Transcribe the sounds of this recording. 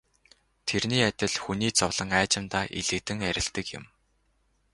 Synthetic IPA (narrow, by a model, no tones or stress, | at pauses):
t̪ʰerniːæt̪ʲɪ̆ɮxuniːt͡sʊwɮ̥ə̆ŋæːt͡ɕɪ̆mt̪aːʔiɮɘ̆kt̪ɘ̆ŋæɾʲɪ̆ɬt̪ɘ̆kjʊ̰̆m